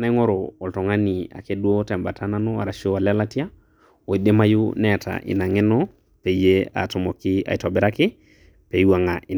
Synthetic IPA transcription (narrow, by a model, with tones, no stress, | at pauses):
na˦i˦ŋɔ˦ɾɔː˨ltɔ˨ŋa˦ni˨a̰˨ke˦du˦o˦tɛ˨mba˨tʰa˦na˦nɔ˦a̰˨ɾa˨ʃi˦o˦a˨la˦la˦ti˦a˦ | o˨i˨ɗe˦ma˦ju˦nɛ˦a˨tʰa̰˨ʔḭ˨na˨ŋɛ˦nɔ˦ | pɛ˨i˦je˦a̰˨tɔ˨mɔ˨kɪ˦a̰˨i˨tɔ˨bɛ˨ɾa˦kɪ˦ | pe˨ja˨ŋa˨i˨